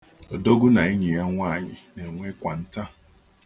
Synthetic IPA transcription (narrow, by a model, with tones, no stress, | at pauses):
o˨do˦ɡʊ˦na˨ɪ˦ɲɪ˨ja˦ŋʷaː˦˨ɲɪ˨ne˨ŋʷe˦kʷa˨n̩˦ta˦